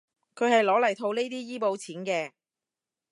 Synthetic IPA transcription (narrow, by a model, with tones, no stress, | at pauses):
kʰɵ˨˧ɥhɐ˨jlɔː˨˧˥lɐ˨˩jt̪ʰo˧wne˥jt̪iː˥jiː˥po˨˧wt͡sʰiː˨˥nkɛː˧